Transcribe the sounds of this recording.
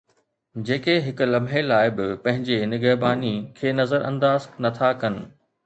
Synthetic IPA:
d͡ʑeːkeɦɪkʊ̆lɐbʱɦelaːɪbɪpɐ̃ɦɪ̃ɲd͡ʑenɪɡəbaːnikʰeːnɐzəɾɐ̰̃nd̪aːznɐt̪ʰakɐnɪ̆

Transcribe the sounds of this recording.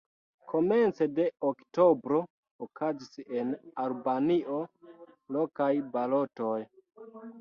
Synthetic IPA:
kʰo̞me̞nt͡sede̞okto̞bɾo̞ː | kʰazisenalbaniʔo̞ | lokajbalo̞toj

